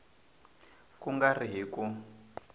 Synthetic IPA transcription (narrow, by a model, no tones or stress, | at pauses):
kuŋɡariɦiku